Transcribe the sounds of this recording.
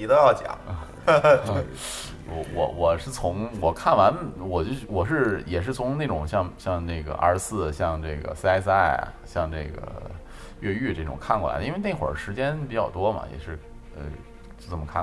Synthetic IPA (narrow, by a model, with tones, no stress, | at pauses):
i˧˥t̪ə˥jɑ˥˩ʊt͡ɕja̰˨˩˦ | wɔ˧˥wɔ̰˧˩wɔ˨˩ʂɻ̩˥˩t͡sʰʊ˧˥ŋwɔ˨˩kʰa˥˩nwa˧˥nwɔ˨˩t͡ɕo˥˧wɔ˨˩ʂ̬ɻ̩˥˧jɛ˨˩ʂ̬ɻ̩˥˩t͡sʰʊ˧˥ŋne˥˩ɪʈ͡ʂʊ˨˩ŋɕjɑ˥˧ŋɕjɑ˥˧ŋne˥˩ɡə̰˩ə̰˞˧˥sɹ̩˥˩ɕjɑ˥˧ŋʈ͡ʂɤ˥˩ɪɡə̰˩sa˥ɪsa˥˩ɪ̰˨˩ɕjɑ˥˧ŋʈ͡ʂɤ˥˩ɡə̰˩ | ɥɛ˥˧y˥˧ʈ͡ʂe˥˩ʈ͡ʂʊ̰˨˩ŋkʰa˥˩nkɔ˥˩a̰˧˥ə˧i˥n˥e˥˧ɪne˥˩xwə̰˞˨˩ʂɻ̩˧˥t͡ɕjɛ˥npi˧˥t͡ɕjɑ˥˩ʊt̪wɔ˥mɐ̰˨˩jɛ̰˨˩ʂɻ̩˥˩ | ə̰˧ | t͡ɕjo˥˩ʊt͡sə˨˩mə˩kʰa˥˩